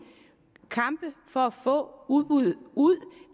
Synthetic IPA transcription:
kʰɑ̈mb̥əfɒ̽æfɔ̰̽ːuðˠb̥uð̩ˠuð̰ˠ

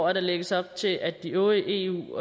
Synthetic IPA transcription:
ɐɾ̥ɑ̈leɡ̥əsɒ̽b̥̚t͡sʰe̝lʔæd̥ːiɔːəʔe̝̰ːṵː

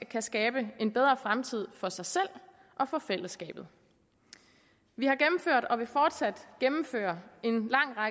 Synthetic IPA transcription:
kʰæsɡ̥ɛːb̥əe̝nb̥eð̞ˠʁɐfʁamt͡sʰið̞̰ˠfɒ̽sɑ̈ɪsel̰ | ʔɒ̽fɒ̽fel̰əsɡ̥ɛ̰ːb̥ð̩ˠ | ʋihɑ̈ɡ̥emm̩føɐ̰d̥ɒ̽ʋe̝fɒːd̥sæd̥ɡ̥emm̩fø̰ːɐe̝nlɑ̈ŋ̰ʁɑ

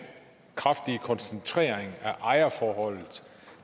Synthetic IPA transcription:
kʰʁafd̥ikʰɒ̽nsent͡sʰʁḛːɐ̰eŋæʔɑ̈ɪɐfɒːhɒ̽l̰ð̩ˠ

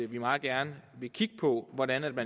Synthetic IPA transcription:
ʋimɑ̈ːð̩ˠɡ̥æɐnəʋe̝kʰiɡ̥ə̥pʰɔ̽ʋɒɾænæd̥mæ

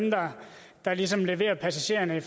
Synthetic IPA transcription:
md̥ɑ̈ | d̥ɑ̈lis̬ɒ̽mle̝ʋe̝̰ːɐpʰæsæɕe̝̰ːɐnəif

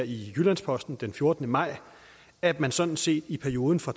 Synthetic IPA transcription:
ijylænspʰɒ̽sd̥n̩d̥enfjo̝ɐd̥nəmɑ̈ɪ̰ | æd̥mænsɒ̽d̥n̩se̝̰ːd̥ipʰæɐio̝ːðˠn̩fɒ̈

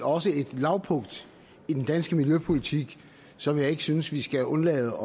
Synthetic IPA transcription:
ɒ̽səe̝d̥lɑ̈ʊpʰɔ̽ŋ̰d̥ | id̥end̥ænsɡ̥əmiljøpʰo̝lit͡sʰiɡ̥ | sɒ̽mjɑ̈ɪe̝ɡ̥əsynəsʋisɡ̥æʔɔ̽nlɛ̰ːð̩ˠɒ

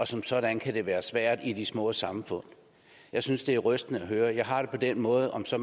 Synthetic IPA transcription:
ɒ̽sɒ̽msɒ̽ɾ̥ænkʰæd̥e̝ʋæːɐsʋæɐ̰d̥id̥ismɔ̰̽ːsɑ̈mfɔ̽n̰ | jɑ̈ɪsynsd̥e̝æɐʁœsd̥nəæɦøːɐjɑ̈ɪɦɑ̈d̥e̝pʰɒ̽d̥enmɔ̽ːð̞̩ˠʔɒ̽msɒ̽

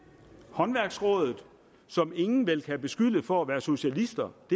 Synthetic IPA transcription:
hɒ̽nʋæɐɡ̥sʁɔ̽ːðˠð̩ˠ | sɒ̽me̝ŋn̩ʋel̰kʰæb̥e̝sɡ̥yləfɒ̽æʋæːɐso̝ɕælisd̥ɐd̥e̝

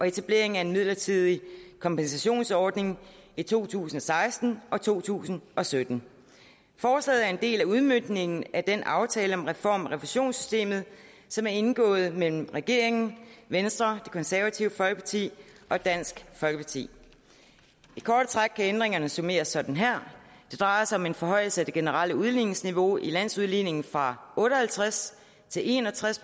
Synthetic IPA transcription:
ʔɒ̽e̝t͡sʰæb̥le̝ɐ̰e̝ŋæɐe̝nmið̞̰ˠlɐt͡sʰið̰ˠikʰɒ̽mpensæɕo̝̰ːnsɒːd̥ne̝ŋ | it͡sʰo̝̰ːt͡sʰṵːsn̩ɒ̽sɑ̈ɪsd̥n̩ʔɒ̽t͡sʰo̝̰ːt͡sʰṵːsn̩ɒ̽sød̥n̩ | fɒːslɛ̰ːð̩ˠæɐe̝nd̥e̝̰ːlæuð̞ˠmønd̥ne̝ŋn̩æd̥enʔɑ̈ʊt͡sʰɛːləɒ̽mʁɛfɒ̰ːmʁɛʋuɕo̝̰ːnsy̥sd̥e̝̰ːmð̩ˠ | sɒ̽mæɐe̝nɡ̥ɔ̰̽ːð̞̩ˠmel̰m̩ʁɛɡ̥e̝ɐe̝ŋn̩ʋensd̥ʁɐd̥e̝̥kʰɒ̽nsæɐʋæt͡sʰiʊəfɒ̽lɡ̥əpʰɑ̈t͡sʰḭːʔɒ̽d̥æn̰sɡ̥fɒ̽lɡ̥əpʰɑ̈t͡sʰḭː | ikʰɒːd̥ət͡sʰʁaɡ̥̚kʰːæend̥ʁeŋɐnəso̝me̝̰ːɐsːɒ̽d̥n̩ɦæɐ̰d̥e̝d̥ʁɑ̈ɪɐsɑɒ̽me̝nfɒ̽ɦɒ̽ɪ̰l̩səæd̥e̝ɡ̥e̝nəʁal̰əuð̞ˠline̝ŋsniʋo̝ʔilæn̰suð̞ˠline̝ŋn̩fʁɑ̈ɔ̽ːɾ̥əhælt͡sʰʁas | t͡sʰe̝le̝nɒt͡sʰʁas

